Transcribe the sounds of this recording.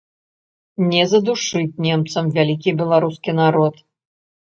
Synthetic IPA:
nʲɛzɐd̪uʂɨt͡sʲnʲɛmt̪sɐmvʲalʲikʲibʲɛlˠaɾuskʲinaɾɔt̪

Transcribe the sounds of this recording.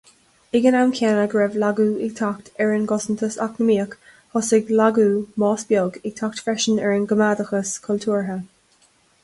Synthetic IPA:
ɪɡənamkʰɛːnəɡɹɛvlaɡuːɪɡ̚t̪ʰakt̪ɛɹɪnɡɔsənt̪ʰəsa̰knəmiːək | hɔsɪɡlaɡuːmɑːsb̥jɔɡɪɡ̥̚t̪ʰak̚t̪fɹɛʃənɛɹənɡəmaːdəxəskʰɔltʰuːɹɦə

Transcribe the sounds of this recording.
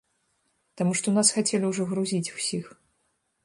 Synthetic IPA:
t̪amuʂt̪ɔwnasxat͡sʲelʲiwʐɔɣɾuzʲit͡sʲu̥sʲix

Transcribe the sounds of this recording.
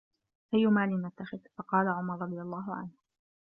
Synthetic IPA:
ʔajːʊmaːlɪnat̪ːaxɪðfɑqɑːlaʕʊmɑɾˤɾˤɑd̪ˤɨjalˤːaːɦʊʕa̰nh

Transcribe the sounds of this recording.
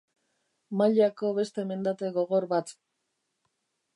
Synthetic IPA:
maʎako̞βe̞st̪e̞me̞nd̪at̪e̞ɣo̞ɣo̞ɾβat̪

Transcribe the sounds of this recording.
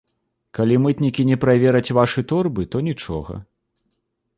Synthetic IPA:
kalʲimɨt̪nʲikʲinʲɛpɾavʲɛɾɐt͡sʲvaʂɨt̪ɔrbɨt̪ɔnʲit͡ʂɔ̰ɣɐ̰

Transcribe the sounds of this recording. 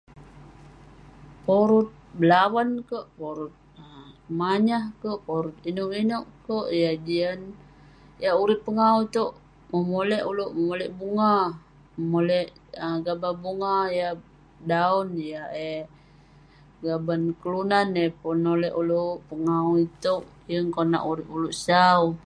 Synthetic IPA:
poɾut̪̚bəlawankoʔpoɾut̪̚maɲahkoʔpoɾut̪̚inoʔinoʔkoʔjad͡ʒian | jaʔuɾippːəŋauit̪oʔ | məmolɛʔuloʔməmolɛʔbuŋa | mmolɛʔəɡababuŋaja | daɔnjae | ɡabankəlunanepunːolɛʔuluʔpəŋauit̪oʔjəŋkona̰ʔuɾipuluʔsau

